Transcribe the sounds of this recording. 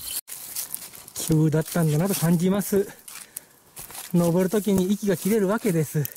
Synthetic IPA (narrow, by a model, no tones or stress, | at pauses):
kʲʰɨːd̪at̪ːãnd̪anat̪o̞kãɲ̟d͡ʑimasɨ | no̞bɯɾɯ̟t̪o̞k̬ʲiɲ̟iikʲiɡakʲiɾe̞ɾɯ̟βake̞d̪e̞sɨ